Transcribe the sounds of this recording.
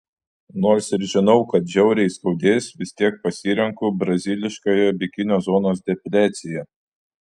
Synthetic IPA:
noːɾsɪɾʒʲɪnɐʊkɐt̪ʒʲɛʊɾʲɛɪskɐʊd̪ʲeːsʋʲɪsʲt̪ʲiɛk̚pɐsʲiːɾʲɛŋkʊbɾɐzʲɪlʲɪʃkojɛbʲɪkʲɪnʲoːzoːnoːs̬d̪ʲɛpʲlʲæːt̪sʲɪjɛ

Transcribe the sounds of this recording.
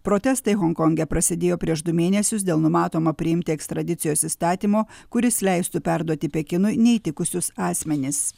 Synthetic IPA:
pɾoːt̪ʲɛst̪ɐɪɣɔŋkɔŋʲɡʲɛpɾɐsʲɪd̪ʲeːjoːpʲɾʲiɛʃd̪ʊmʲeːnʲɛsʲʊsd̪ʲeːlˠnʊmɑːt̪oːmɐpʲɾʲɪɪmʲt̪ʲɪɛkst̪ɾɐd̪ʲɪt̪sʲɪjoːsist̪ɑːt̪ʲiːmoːkʊɾʲɪslʲɛɪst̪ʊpʲæɾd̪uɔt̪ʲɪpʲɛkʲɪnʊɪnʲɛit̪ʲɪkʊsʲʊsɑːsʲmʲɛnʲɪs

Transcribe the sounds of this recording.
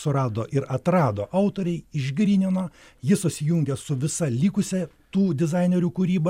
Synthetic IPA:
sʊɾɑːd̪oːʔɪɾɐt̪ɾɑːd̪oːʔɐʊt̪oːɾʲɛɪɪʒʲɡɾʲiːnʲɪnoː | jɪsʊsʲɪjuŋʲɡʲɛsʊʋʲɪsɐlʲiːkʊsʲɛ | t̪uːd̪ʲɪzɑɪnʲeɾʲuːkuɾʲiːbɐ

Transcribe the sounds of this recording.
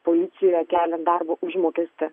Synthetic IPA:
polʲɪt̪sʲɪjoːjɛkʲæːlʲɛnd̪ɑrboʔʊʒmoːkʲɛsʲt̪ʲɪ

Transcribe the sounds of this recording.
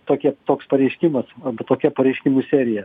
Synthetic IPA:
t̪oːkʲiɛt̪oːkspɐɾʲɛɪʃʲkʲɪmɐsɐbɐt̪oːkʲɛpɐɾʲɛɪʃʲkʲɪmuːsʲæːɾʲɪjɛ

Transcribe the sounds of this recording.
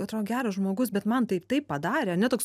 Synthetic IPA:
ɐt̪ɾoːɡʲæːɾɐsʒmoːɡʊsbʲɛt̪mɐnt̪ɐɪpt̪ɐɪpppɐd̪ɑːɾʲeːɐɾnʲɛt̪oːks

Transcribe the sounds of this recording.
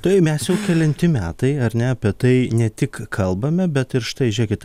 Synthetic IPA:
t̪ɐɪmʲɛsjɛʊkʲɛlʲɛnʲt̪ʲɪmʲæːt̪ɐɪɐɾnʲɛɐpʲiɛt̪ɐɪnʲɛt̪ʲɪkkʰɐlˠbɐmʲɛbʲɛt̪ɪɾʃt̪ɐɪʒʲiɛkʲɪt̪

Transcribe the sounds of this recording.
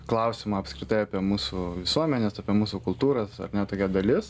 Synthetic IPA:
klˠɐʊsʲɪmɑɐpskɾʲɪt̪ɐɪɑːpʲiɛmuːsuʋʲɪsuɔmʲɛnʲɛsɑːpʲiɛmuːsʊkʊlˠt̪uːɾɐsɐ̰rnʲɛt̪oːkʲɛd̪ɐlʲɪs

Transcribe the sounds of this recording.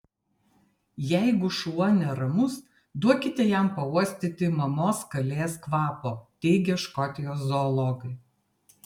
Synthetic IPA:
jɛɪɡʊʃuɔnʲɛɾɐmʊs | d̪uɔkʲɪt̪ʲɛjæˑmpɐuɔsʲt̪ʲɪt̪ʲɪmɐmoːskɐlʲeːskʋɑːpoːt̪ʲɛɪɡʲɛʃkɔt̪ʲɪjoːszɔːlˠɔɡɐɪ

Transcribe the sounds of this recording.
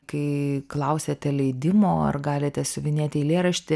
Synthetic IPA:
kɐɪklˠɐʊsʲɛt̪ʲɛlʲɛɪd̪ʲɪmoːɐ̰rɡɑːlʲɪt̪ʲɛsʲʊʋʲɪnʲeːt̪ʲiːlʲeːɾɐʃʲt̪ʲɪ

